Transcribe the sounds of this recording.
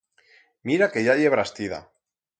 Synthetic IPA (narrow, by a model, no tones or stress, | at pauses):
miɾake̞ʝaʎe̞βɾast̪iða̰